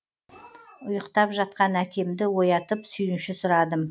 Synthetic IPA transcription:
ʊjəqt̪ɑpʒɑt̪̚qɑnækʲe̞md̪ɪwo̞jɑt̪əpsʏjɪnʃɪsʊɾɑd̪əm

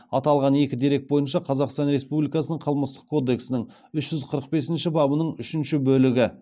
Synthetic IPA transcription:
ɑt̪ɑlˠʁɑne̞kʲɪd̪e̞ɾe̞k̚bo̞jənʃɑqʰɑzɑqst̪ɑnɾe̞spublijkɑsənəɴqʰəlˠməst̪ə̥q̚kʰo̞d̪e̞ksɪnɪŋ | ʏʃʒ̥ʏzqʰəɾəq̚be̞sɪnʃɪbɑbənəɴʏʃɪnʃɪbɵlɪɡʲɪ

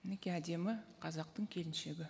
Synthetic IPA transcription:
nɪkʲeæd̪e̞mɪqʰɑzɑq̚t̪əɴkʲʰe̞lɪnʃe̞ɡʲɪ

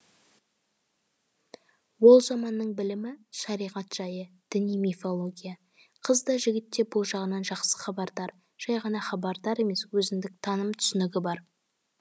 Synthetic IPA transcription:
wo̞lˠʒɑmɑnːəɴbɪlɪmɪʃɑɾijʁɑt̪ʒ̥ɑjəd̪̥ɪnijmifolˠoɡʲijɑ | qʰəzd̪ɑʒɪɡʲɪt̪ːe̞bʊlˠʒɑʁənɑnʒɑqsə̥χɑbɑɾd̪ɑɾ | ʒ̥ɑjʁɑnɑχɑbɑɾd̪ɑɾe̞me̞swɵzɪmd̪ɪk̚t̪ʰɑnəmt̪ʰʏ̥sɪnɪɡʲɪbɑɾ

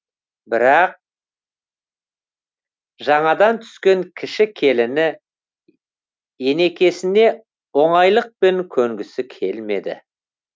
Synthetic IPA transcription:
bɪɾɑq̚ | ʒɑɴɑd̪ɑnt̪ʰʏ̥skʲe̞ŋkʲʰɪʃɪkʲʰe̞lɪnɪ | je̞ne̞kʲe̞sɪne̞ | wo̞ɴɑjlˠəq̚pe̞ŋkʲʰɵŋɡʲɪsɪkʲʰe̞lme̞d̪ɪ̰

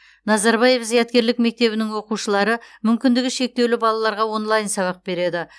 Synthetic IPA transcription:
nɑzɑɾbɑje̞fzijɑt̪̚kʲe̞ɾlɪkme̞k̚t̪e̞βɪnɪŋwo̞quʃəlˠɑɾəmʏmkʲɪnd̪ɪɡʲɪʃe̞k̚t̪e̞wlɪbɑlˠɑlˠɑɾʁɑwo̞nlˠɑjnsɑβɑq̚be̞ɾe̞d̪ɪ

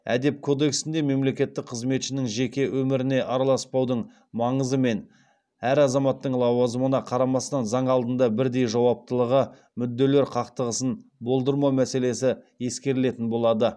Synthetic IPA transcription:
æ̰d̪e̞p̚kʰo̞d̪e̞ksɪnd̪e̞me̞mle̞kʲe̞t̪ːɪk̚qʰəzme̞t̪ʃɪnɪŋʒe̞kʲe̞wʔɵmɪɾɪne̞ʔɑɾɑlˠɑspɑwd̪əɴ | mɑɴəzəme̞n | æɾɑzɑmɑt̪ːəɴlˠɑwɑzəmənɑqʰɑɾɑmɑst̪ɑnzɑɴɑlˠd̪ənd̪ɑbɪɾd̪e̞jʒɑwɑp̚t̪əlˠəʁə | mʏd̪ːe̞le̞ɾqʰɑqt̪əʁəsənbo̞lˠd̪əɾmɑmæse̞le̞sɪ | je̞skʲe̞ɾɪle̞t̪ɪnbo̞lˠɑd̪ə

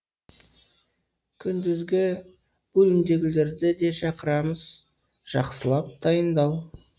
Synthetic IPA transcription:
kʲʰʏnd̪ɪzɡʲɪ | b̥ɵlɪnd̪e̞ɡʲɪle̞ɾd̪ɪd̪e̞ʃɑqəɾɑməz̥ | ʒ̥ɑqsəlˠɑp̚d̪̥ɑjənd̪ɑwˠ

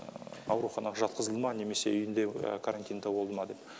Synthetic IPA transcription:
ɑ̰wɾuχɑnɑʁɑʒɑt̪̚qəzəlˠmɑne̞me̞se̞ʏjɪnd̪ḛkʰaɾant̪ʲijnd̪ɑbolˠd̪əmɑd̪e̞p

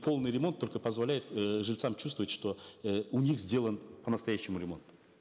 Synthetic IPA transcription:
pʰo̞lˠnɨjɾʲɪmo̞nt̪ːo̞lʲkəpəzvɐlʲæjɪt̪ʐɨlʲt̪samt͡ɕt͡ʃust̪vəvətʲʂt̪o̞əunʲixzʲdʲe̞lˠənpənəst̪ɐjæɕːɪmʊɾʲɪmo̞̰nt̪ʊ̥

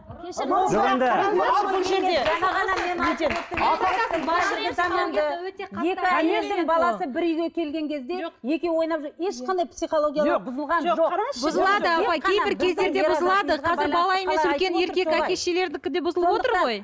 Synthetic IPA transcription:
noed̪ɪnbʊlˠʒe̞ɾd̪eʒɑnɑʁɑɑmeet̪eɑɑsəb̪ɾət̪ɑmɑnd̪əwɵt̪eqʰɑe̞kɪmezd̪ɪŋbɑlˠɑsəbɪɾijɡʲekʲʰe̞lɡʲe̞ŋkʲʰe̞zd̪e̞oqje̞kʲewo̞jnɑpʒoeʃqɑnd̪ɑjpsiχolˠoɡʲjaloqbʊzəlˠʁɑnʒobʊzəlˠɑd̪əɑpɑjkʲʰe̞jbɪɾkʲʰe̞zd̪eɾd̪e̞bʊzəlˠɑd̪əqʰɑzɪɾbɑlˠɑje̞me̞sʏlkʲe̞ne̞ɾkʲe̞kækʲe̞sʃele̞ɾd̪ɪkʲɪd̪e̞bʊzəlˠəpwo̞t̪əɾʁo̞j

